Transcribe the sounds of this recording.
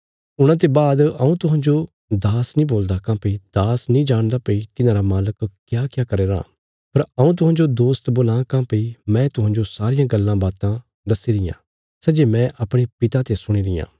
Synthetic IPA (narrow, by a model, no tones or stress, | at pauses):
ʊɽ̃ãːt̪̬ebaːd̪ɐũt̪ʊɦãːd͡ʒo | d̪aːsnĩboːld̪akãːpəid̪̥aːsnĩːd͡ʒaːɽ̃d̪apɐit̪ɪnãːɾamaːləkkjaːkjaːkɐɾeːɾã̰ː | pɐɾɐũt̪̬ʊɦãːd͡ʒod̪oːst̪boːlãːkãːpɐimɛ̃ːt̪ʊɦãːd͡ʒosaːɾɪjãɡɐlːãbaːt̪ã | d̪ɐsiɾɪjã̰ | sɛːd͡ʒemɛ̃ʔɐpɽ̃epɪt̪at̪esʊɽ̃iɾɪ̰jã̰ː